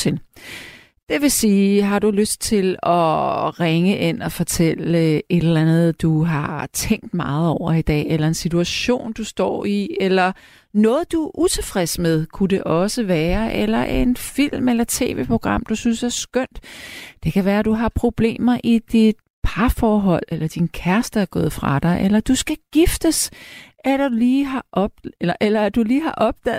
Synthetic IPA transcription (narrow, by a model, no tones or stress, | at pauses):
el | d̥e̝ʋe̝siːɦɑ̈ɾuløsd̥̚t͡sʰe̝lɒ̽ʁeŋəʔenɒ̽fɒ̽t͡sʰel̰e̝ɾ̥elænð̞̩ˠd̥uɦɑ̈t͡sʰeŋ̰d̥mɑ̈ːð̞̩ˠɒʊ̰ɐid̥ɛ̰ːelɐe̝nsit͡sʰuæɕo̝̰ːnd̥usd̥ɒ̰ːielɐ | nɔ̽ːð̩ˠd̥uʔut͡sʰe̝fʁɛsmeð̞ˠkʰude̝ʔɒ̽səʋæːɐʔelɐʔe̝nfil̰melɐt͡sʰe̝̰ːʋḛːpʰʁo̝ɡ̥ʁɑ̈m̰d̥usynsæɐsɡ̥œn̰d̥d̥e̝kʰæʋæːɐæd̥uɦɑ̈pʰʁo̝b̥le̝̰ːmɐʔid̥id̥ | pʰɑ̈fɒːɦɒ̽l̰elɐd̥inkʰæɐsd̥əæɐɡ̥ɔ̽ːð̞̩ˠfʁɑ̈d̥ɑ̈ɪʔelɐd̥usɡ̥æɡ̥ifd̥əsʔædliːɦɑ̈ʔɒb̥̚elɐʔelɐæd̥uliːɦɑ̈ʔɒ̽b̥̚d̥ɛ̰